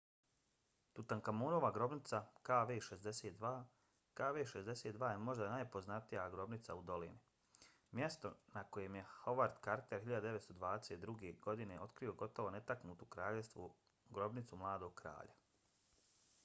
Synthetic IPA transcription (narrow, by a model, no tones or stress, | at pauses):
t̪ut̪aŋkamoːnoːʋaɡɾo̞bnit̪sakaːʋeːʃezd̪eseːt̪̚d̪ʋaː | kaːʋeːʃezd̪eset̪d̪ʋaːjemo̞ʒd̪anaːjpo̞znat̪ijaɡɾo̞bnit̪saud̪o̞lḭni | mje̞st̪o̞nako̞jemjeho̞ʋaɾd̪kaɾt̪eɾhiʎad̪ad̪eʋet̪st̪o̞d̪ʋaːd̪eset̪̚d̪ɾuɡeɡo̞d̪ineʔo̞t̪kɾio̞ɡo̞t̪o̞ʋo̞ne̞t̪aknuːt̪ukɾaːʎest̪ʋu | ɡɾo̞bnit̪sumlˠaːd̪o̞ɡ̥̚kɾa̰ːʎa